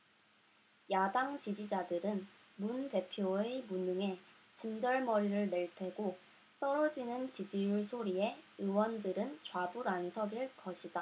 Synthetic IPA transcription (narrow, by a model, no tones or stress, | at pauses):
jadaŋt͡ɕid͡ʑid͡ʑadɯɾɯn | munte̞pʰjoemunːɯŋe̞ | t͡ɕind͡ʑʌɭmʌɾiɾɯɭne̞ɭtʰe̞ɡo | t͈ʌɾʌd͡ʑinɯnt͡ɕid͡ʑijuɭsʰoɾie̞ɯwʌndɯɾɯnt͡ɕwabuɾansʰʌɡiɭkʌɕʰida